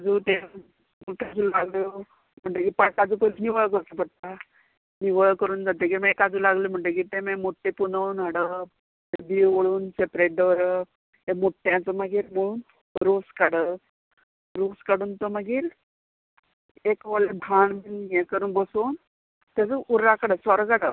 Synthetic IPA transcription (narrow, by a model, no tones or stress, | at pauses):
ad͡zuːt̪e | muʈad͡zulaɡljo | m̤əɳʈekipəkad͡zupolniʋəjk̬əɾt̪əpəɽt̪a | niʋəɭkəɾuːnd͡zat̪ekiməekad͡zuːlaɡljom̤əɳʈek̬it̪ẽmemoʈːepunəwnəɽə | eb̪iʋoɭuːnsepɾeʈ̚d̪əʋɾə | ɦemuʈːjãt͡səməɡiːɾm̤əɭuːn | ɾoskaɽə | ɾoskaɽuːnt̪ɔməɡiːɾ | ekʋəlebʱaɳmiljẽkəɾuːnbəson | t̪jad͡zəʔuɾːakaɽəsɔɾəkaɽə